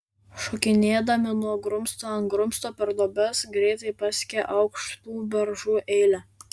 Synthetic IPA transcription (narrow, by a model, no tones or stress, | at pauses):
ʃɔkʲɪnʲeːd̪ɐmʲɪnuɔɡɾʊmst̪oːɐnɡɾʊmst̪oːpʲɛɾd̪oːbʲɛsɡɾʲɛɪt̪ɐɪpɑsʲkʲeʔɐʊkʃt̪uːbʲɛɾʒuːʔɛɪlʲɛ